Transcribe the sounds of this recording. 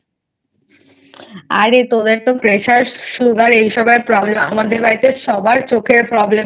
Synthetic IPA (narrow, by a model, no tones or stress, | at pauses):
a̰ɾet̪od̪eɾt̪okɾeʃaɾsluɡaɾejʃɔbeɾpɾɔblema̰mad̪eɾbait̪eʃɔbaɾt͡ɕokʰeɾpɾɔble